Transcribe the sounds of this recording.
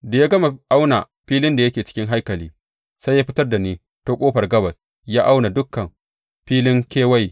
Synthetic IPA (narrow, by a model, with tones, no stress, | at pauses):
da˨ja˦ɡɐ˦ma˨ʔa˦wna˨ | ɸiː˦lɪ˦nda˨jɐ˦kʲeː˨t͡ʃɪ̥˦kʲɪ˦ŋɦa˦jkɐ˨liː˦ | sa˦jːaː˦ɸɪ˦tɐ˦rda˨niː˦ | to˦kʷʼoː˦ɸɐ˨rɡɐ˦bɐ˨s | jaː˦ʔa˦wna˨dʊ˦kːɐ˨m | ɸiː˦lɪ˦ŋkʲeː˦wa˦j